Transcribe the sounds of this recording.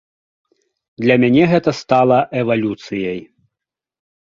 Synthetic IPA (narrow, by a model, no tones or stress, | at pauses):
d̪lʲɐmʲanʲɛɣɛt̪ɐst̪alˠɐʔɛvalʲut̪sɨjɐj